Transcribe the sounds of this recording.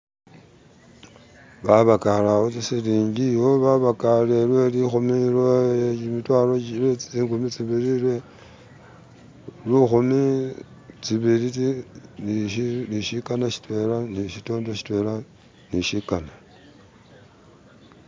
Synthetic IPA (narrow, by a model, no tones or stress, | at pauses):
βaβakalawot͡sisiliːɲɟijo̞βaβakale̞lwe̞lixumilwojet͡ʃimitwaloilet͡st͡siːŋɡumit͡siβiɾilwe | lixumi | t͡siβiɾit͡siniliʃikanaʃi̥twe̞laniʃitoːndoʃi̥twe̞la | niʃikana